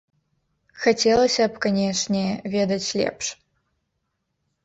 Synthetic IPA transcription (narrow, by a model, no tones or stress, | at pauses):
xɐtʲelˠɐsʲɐpkɐnʲeʂnʲevʲed̪ɐt͡ɕʲlʲḛpʂ